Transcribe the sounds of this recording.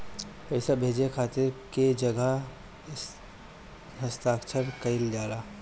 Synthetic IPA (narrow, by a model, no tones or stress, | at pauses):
pɛɪsabʱeːd͡ʒekʰaːt̪ɪɾked͡ʒɐɡə | ɦəst̪aːkt͡ʃʰəɾkɐɪld͡ʒaːɾa